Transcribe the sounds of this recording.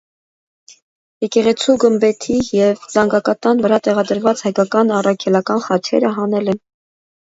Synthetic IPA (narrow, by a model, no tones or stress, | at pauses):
jɛkɛʁɛt͡sʰuɡəmbɛt̪ʰijɛvzɑŋɡɑkɑt̪ɑnvəɾɑt̪ɛʁɑd̪əɾvɑt͡shɑjkɑkɑnɑrɑkʰɛlɑkɑnχɑt͡ʃʰɛ̰ɾəɦɑnɛlɛn